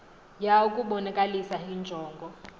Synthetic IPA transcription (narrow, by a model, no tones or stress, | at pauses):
jaukʼuɓɔnɛkʼalisaɦind͡ʒʱɔːŋɡʱɔ